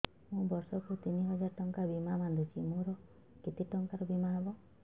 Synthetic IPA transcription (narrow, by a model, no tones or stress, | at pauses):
mũbɔɾsɔkut̪iniɦɔd͡ʒaɾʈɔŋkabimamand̪ʱut͡ʃʰimũɾɔ | ket̪iʈɔŋkaɾɔbimaɦɔbɔ